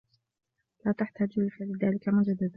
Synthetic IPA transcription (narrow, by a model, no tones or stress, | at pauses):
laːt̪aħt̪ad͡ʒɪlfalɪðaːlɪkamʊd͡ʒad̪ːad̪